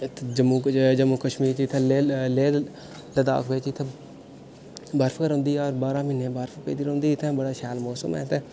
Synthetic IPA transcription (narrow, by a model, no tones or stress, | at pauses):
d͡ʒəmũːd͡ʒəmũːkəʃmiːɾt͡ʃiːt̪ʰãleː | ləd̪a̰ːkbeːt͡ʃiːt̪ʰa | baɾfəkəɾɦʊ̃nd̪iːɔːɾbaːɾãːmɪnẽːbaːɾfpḛːd̪iːɾoʊ̃nd̪iːt̪ʰɛ̃ːbəɽaːʃaːlmoːsə̰mɛ̰ːt̪ɛː